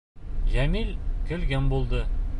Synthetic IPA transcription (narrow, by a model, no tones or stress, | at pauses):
ʑæmilkɵ̆lɡʲænbulˠd̪ɤ